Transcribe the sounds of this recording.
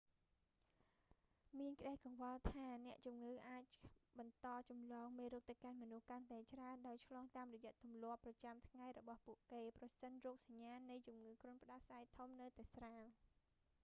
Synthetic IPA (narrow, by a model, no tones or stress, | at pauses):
miənkə̆ɗahkɑŋʋɑlt̪ʰaːnɛ̆əʔt͡ɕumŋɨːʔaːc̚ɓɑnt̪ɑːt͡ɕɑmlɑːŋmeːɾuːk̚t̪əwkanmɔnuhkant̪aɛt͡ɕraənɗaɔjt͡ɕʰlɑːŋt̪aːmrɔjɛ̆əʔt̪umlŏəpːrɑt͡ɕamt̪ʰŋajrɔɓɑhpuəʔkeːprɑsənrɔːk̚saɲːaːnːɨjt͡ɕumŋɨːkrŭənpə̆ɗɑsaɛjt̪ʰumnɨwt̪aɛsraːŋ